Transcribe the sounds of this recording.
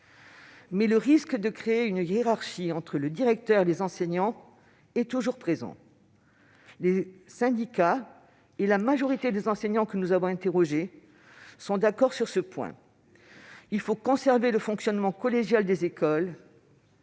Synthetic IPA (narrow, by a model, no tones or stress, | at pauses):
mɛləʁiskd̪əkχeeynjeʁaʁʃiɑ̃t̪χələd̪iʁɛk̚t̪œʁelezɑ̃sɛɲɑ̃ | ɛt̪uʒuʁpχezɑ̰̃ | lesɛ̃d̪ika | elamaʒɔʁit̪ed̪ezɑ̃sɛɲɑ̃kənuzavɔ̃ɛ̃t̪eʁɔʒe | sɔ̃d̪akɔʁsyʁsəpwɛ̰̃ | ilfokɔ̃sɛʁveləfɔ̃ksjɔnmɑ̃kɔleʒjald̪ezekɔl